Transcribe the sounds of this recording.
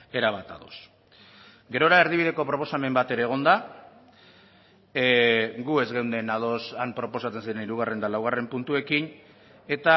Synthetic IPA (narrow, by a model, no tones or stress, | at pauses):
e̞ɾaβat̪a̰ðo̞̰s | ɡe̞ɾo̞ɾae̞ɾð̞iβ̞iðe̞ko̞pɾo̞po̞same̞mbat̪e̞ɾeːɣ̞o̞nd̪a | ɡue̞zɣe̞wnd̪e̞nað̞o̞sampɾo̞po̞sat͡se̞nsiɾe̞niɾuɣ̞are̞nd̪alawɣ̞are̞mpunt̪ue̞kin | e̞t̪a